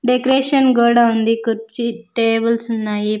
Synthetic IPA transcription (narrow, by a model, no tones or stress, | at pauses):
ɖekɾeɕənɡəɽawənd̪ikuɾt͡ɕiʈebəlsnaɦi